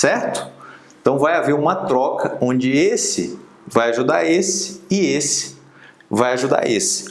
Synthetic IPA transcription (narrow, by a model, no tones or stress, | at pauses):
sɛɾt̪ʊ̥ẽt̪ɐ̃w̃vajaveɾũmɐt̪ɾɔkʰɐõd͡ʒɪesɪ̰ | vajaʒud̪a̰ɾesɪ̥ɪesɪ̥ | vajaʒud̪a̰ɾʔesɪ̥